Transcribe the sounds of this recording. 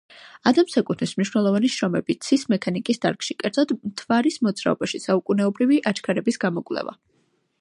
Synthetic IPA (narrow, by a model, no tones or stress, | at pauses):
ad̪amsakʼut̪ʰɾismniʃwnɛlˠɔvaniʃɾɔmɛbit̪sʰismɛkʰanikʼisd̪a̰ɾkʃikʼɛɾd̪zɔd̪mt̪ʰvaɾismɔd̪zɾa̰ɔ̰baʃisaukʼunɛɔbɾiviʔat͡ʃʰkʰaɾɛbisɡamɔkʼvlɛ̰va̰